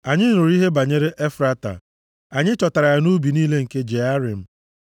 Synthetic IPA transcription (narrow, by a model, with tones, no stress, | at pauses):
a˨ɲɪ˦˨nʊ˨ɾi˦ɦe˦ba˨ɲe˦ɾe˦ʔe˦fɾa˦ta̰˨ | a˨ɲɪ˦t͡ʃɔ˨ta˨ɾa˨ja˨nu˦bi˨niː˦le˦ŋ̩˨ke˦d͡ʒe˨a˦ɾi˨m̩˨